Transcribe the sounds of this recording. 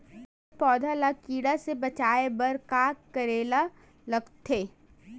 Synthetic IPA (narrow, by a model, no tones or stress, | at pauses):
pɔːd̪ʱalakiːɽasebɐt͡ʃaːebɐɾkaːkkːɐɾeːla | lɐɡt̪ʰeː